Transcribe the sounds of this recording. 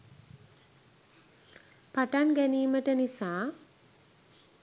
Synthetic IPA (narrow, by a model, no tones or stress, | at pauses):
paʈanɡæniːməʈənisaː